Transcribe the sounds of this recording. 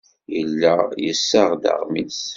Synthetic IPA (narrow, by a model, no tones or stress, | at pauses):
jəlːæjəsːəʁd̪ə̰ʁmis